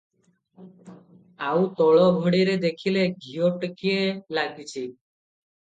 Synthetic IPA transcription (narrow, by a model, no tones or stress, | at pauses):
awt̪ɔɭɔbʱɔɽiɾed̪ekʰileɡʱioʈkielaɡit͡ʃʰi